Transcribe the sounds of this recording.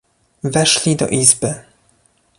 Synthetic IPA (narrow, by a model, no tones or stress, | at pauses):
vɛʂlʲid̪ɔ̰ʔizbɘ